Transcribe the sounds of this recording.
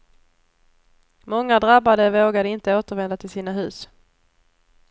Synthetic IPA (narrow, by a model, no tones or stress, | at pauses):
mɔŋːad̪ɾabad̪əvoːɡad̪əɪnt̪əoːt̪əɾvɛnd̪at̪ʰɪlsiːnaɦʉ̟ːs